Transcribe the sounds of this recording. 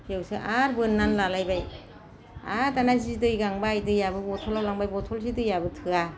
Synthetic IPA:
iewsɯʔaɾbɯnːanlalajbaj | atanazidɯjɡaŋbajdɯjabɯbɔtʰɔlawlaŋbajbɔtʰɔls̬idɯjabɯtʰɯa

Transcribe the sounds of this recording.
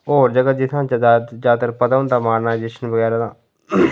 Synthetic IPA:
oɾd͡ʒəɡət̪̚d͡ʒɪt̪ʰãːnt͡ʃad̪ad͡ʒaːt̪əɾpət̪ant̪aːmaːɾnaːɪd͡ʒɪʃənbəɡɛːɾad̪aː

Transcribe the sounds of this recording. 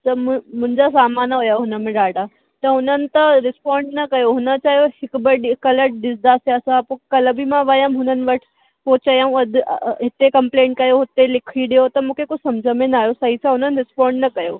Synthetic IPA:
t̪ɐmmʊ̃ɪ̃ɲd͡ʑasaːmaːnɦʊjaɦʊnəmẽɖaːɖaː | t̪ɐɦʊnənɪ̆t̪ɐɾɪspãːɳɖnɐkɐjoɦʊnə̆t͡ɕaːɦijoɦɪkbɐɗɪkɐləʈɗɪsd̪aːseɐsãpokɐləbimãʋɐjəmɦʊnənɪ̆ʋɐʈʰɪ̥ | poːt͡ɕɐjaːũɐd̪̰ʱɦɪt̪ekɐ̃mplẽːɳʈ̚kɐjoɦɪt̪elɪkʰiɗijot̪ɐmũːkʰekosɐ̃md͡ʑʱəmẽnaːɦjosɐɦit͡ɕʰaɦʊnənɪ̆ɾɪspãːɳɖnɐkɐjoː

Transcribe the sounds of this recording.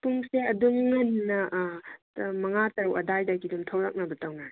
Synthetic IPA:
puŋseɐduŋːɐnːɐʔ | mɐŋatɐɾuʔɐdajdakidumtʰɐwlɐk̚nɐbɐtɐwna

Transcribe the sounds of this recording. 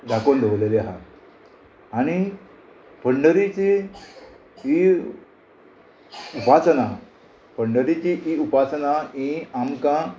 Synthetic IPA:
d̪akond̪ʱəʋleleaɦa̰ | aɽ̃i | pʰəɳɖəɾit͡ɕi | i | upat͡səna | pəɳɖəɾit͡ɕiʔiupat͡sənaĩamkã

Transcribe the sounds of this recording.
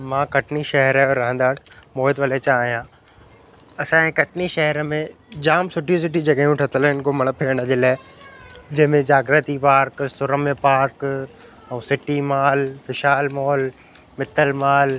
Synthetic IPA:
mãːkɐʈniʃɐɦɛɾɾɐɦə̃nd̪aːɽmoːɦɪd̪ʋɐlet͡ɕaːɦijãː | ɐsãẽkɐʈniʃɐɦɛɾəmẽ | d͡ʑaːmsʊʈʰis̬ɪʈid͡ʑɐɡaɦijũʈʰɐt̪əlɪnkomɐɽ̃pʰeːəɽ̃əd͡ʑeːlaːɪ | d͡ʑɐ̃ɦɪ̃mẽd͡ʑaːɡɾət̪ipaːɾksʊɾəmẽpaːɾk | ɛ̃sɪʈimaːlfɪʃaːlmɔːl | mɪt̪əlmaːl

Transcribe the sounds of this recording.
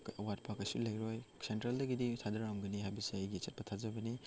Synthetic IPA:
ɐwat̚pʰakɐsulɐjɾojsentɾeldɐɡiditʰadɐɾamɡɐniɦajbɐsiɐjɡiɐt͡ʃet̚pɐtʰazɐbɐni

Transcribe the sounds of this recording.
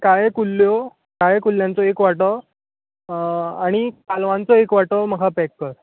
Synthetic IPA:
kajekulːjo | kajekulːjãnt͡sɔekʋaʈɔ | aɽ̃ikalʋãnt͡sɔekʋaʈɔməɡʱapɛkːəɾ

